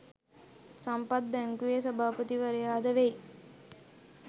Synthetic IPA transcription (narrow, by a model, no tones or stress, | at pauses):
sɐmpɐt̪̚bɛŋkuesɐbʱaːpət̪iʋɐɾejaːd̪ɐʋej